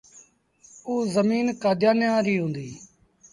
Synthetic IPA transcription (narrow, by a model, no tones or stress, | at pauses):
uːzəmiːnkaːd̪ʱjaːnjãːɾiːɦʊ̃ːnd̪iː